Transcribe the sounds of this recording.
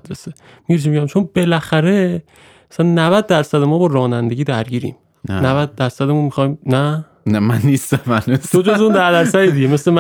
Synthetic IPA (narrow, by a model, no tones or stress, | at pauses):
d̪ɾese | miɟet͡ʃʰimiɟæmt͡ʃʰo̞nb̥e̞læxæɾe̞ | æsænnævæd̪̚ːæɾsæd̪emɒːbɒːɾɒːnænd̪e̞ɟʲiːd̪æɾɟiːɾḭːm | nnævæd̪̚ːæɾsæd̪emunmixɒːjmnæ | næmænːist̪æmænit̪ʰod͡ʒozund̪æɾd̪æɾsæd̪iːd̪iɟeme̞slemæ